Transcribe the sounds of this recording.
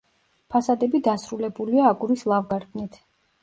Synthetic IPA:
pʰasad̪ɛbid̪asɾulɛbuliaːɡuɾislˠavɡaɾd̪ʰʼnit̪ʰ

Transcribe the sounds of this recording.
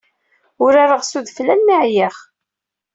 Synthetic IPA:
ʊɾaɾəʁsuðflænːiʕjəχ

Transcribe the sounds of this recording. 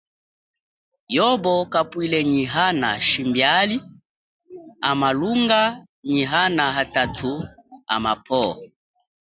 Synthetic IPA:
jɔbɔkapwilɛɲiɦana̰ʃimbjali | amaluŋɡa | ɲiɦanaɦatatʰua̰mapʰɔ

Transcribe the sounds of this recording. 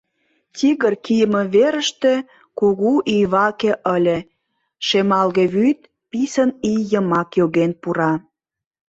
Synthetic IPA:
tʲiɣərkijəmə̆βeɾə̆ʃt̪e | kuɣuʔijβɑkeʔəlʲĕ | ʃemɑlɣĕβyt̪̚ | pisənijəmɑkjoɣenpuɾɑ

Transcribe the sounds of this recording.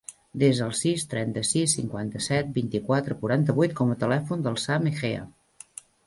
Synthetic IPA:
d̪ezðəlˠsist̪ɾɛnt̪əsisːiŋkwant̪əsɛt̪̚bint̪ikwat̪ɾəkuɾant̪əβujt̪̚kɔmət̪əlɛfund̪əlˠsamexeə̰

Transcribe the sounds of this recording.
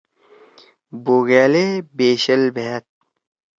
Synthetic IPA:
boːɣeːleːbeːɕɐlbeɦet̪̚

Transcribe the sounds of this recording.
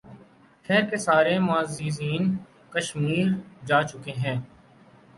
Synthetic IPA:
xɛːɾkesaːɾemaːziːziːn | kəʃmiːɾd͡ʒaːt͡ʃʊkeɦɛ̃ː

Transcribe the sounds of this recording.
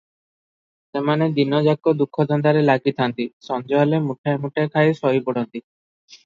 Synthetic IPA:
semaned̪inɔd͡ʒak̚kɔd̪ukʰːɔd̪ʱɔnd̪aɾelaɡit̪ʰant̪isɔnd͡ʒɔjɔlemuʈʰaemuʈʰaekʰajsɔɦibɔɽ̤ɔnt̪i

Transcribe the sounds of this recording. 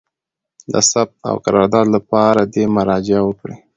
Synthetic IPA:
d̪ə̰sab̚t̪a̰wqaɾɑɾd̪ɑd̪lapɑɾad̪emaɾɑd͡ʒɪawəkɽi

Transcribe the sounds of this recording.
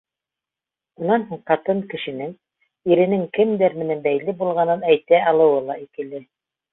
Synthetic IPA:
unɑnɦuɴqɑt̪ɤɴkɘ̆ʃɘ̆nɘŋ | iɾɘ̆nɘŋkɘmd̪ɘɾmɘ̆nænbæjlɘbulˠʁɑnɤnæjt̪æɑlˠɤ̆wɤlˠɑikɘ̆lɘ

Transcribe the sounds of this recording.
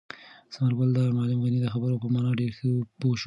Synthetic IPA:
samaɾbald̪amalɪmɣanid̪əxabəɾopəmɑnɑɖeɾxəpoʃ

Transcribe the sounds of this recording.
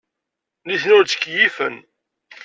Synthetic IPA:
niθnʊɾt͡sə̥kːjifə̰n

